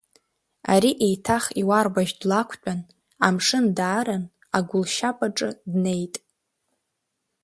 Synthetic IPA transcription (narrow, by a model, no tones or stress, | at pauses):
a̰ɾiʔejtʰaχiwarbaʒdlakʷʰt͡pʷʼan | amʂɨndaːɾan | aɡʷʊlʃapʼaʈ͡ʂʼɨdne̞jtʼ